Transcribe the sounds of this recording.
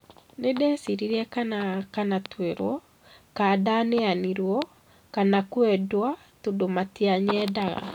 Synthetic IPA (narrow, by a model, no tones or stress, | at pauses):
nedɛsiɾiɾɛkanakanatweɾɔ | kadaneaniɾwɔ | kanakwɛdwa | todomatiaɲɛdaɣa̰